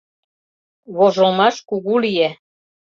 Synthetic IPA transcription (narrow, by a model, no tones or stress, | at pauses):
βoʒolmɑʃkuɣulije